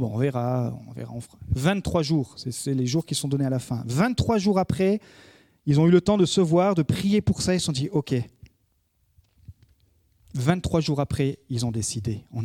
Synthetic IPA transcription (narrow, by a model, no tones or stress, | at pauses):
bɔ̃ɔ̰̃vɛʁa̰ɔ̰̃vḛʁa̰ɑ̃fʁḁvɛ̃t̪ːχwaʒuːʁsɛsɛleʒuʁkʲissɔ̃d̪ɔnealafɛ̃vɛ̃t̪ːχwaʒuʁapχɛ | ilzɔ̃ylət̪ɑ̃d̪əsəvwaʁd̪əpχijepuʁsailsɔ̃d̪iʔɔkʲe | vɛ̃t̪ːχwaʒuʁapχɛilzɔ̃d̪esid̪eɔ̃n